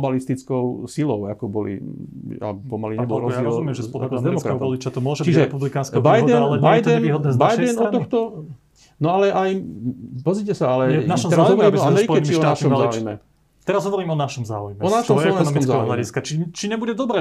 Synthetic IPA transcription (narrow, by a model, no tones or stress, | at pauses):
balist̪it͡skɔʊsilɔʊakɔbɔlḭ | a̰pɔmaliɲɛbɔlɾɔjziɛɾɔzumɪɛmʒɛspɔld̪dɛmɔkɾaɛɦɔɔlit͡ʃat̪ɔmʊɔʒɛbt͡ʃiʒɛɛpublikaːnskɛbaj̪ɛnalɛbaɛɛjd̪t̪ɛniːɦɔd̪nɛːzbajd̪ɛnɔanɔxt̪ɔ | nɔalɛʔajpɔzɾicɛsaalɛɛnaʃɔɛɾazɦɔɔɾiːmɔamɛɾikɛt͡ʃiiɔaʃiɔmalzaːujmɛ | t̪ɛɾazɦɔʋɔɾiːmɔnaʃɔmza̰ːujmɛɔnaʃɔmɔɛɔ̃nɔmiɔt͡szaɛɦɔɦlaɟiskat͡ʃit͡ʃiɲɛbuɟɛd̪ɔbɾɛ